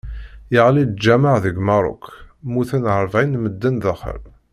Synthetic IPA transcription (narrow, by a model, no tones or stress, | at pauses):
jəʁlid͡ʒæmaʕðəɡmɑɾˤʊ̰kmuθənʕəɾˤvʕinməd̪ːənðəχə̰ɾ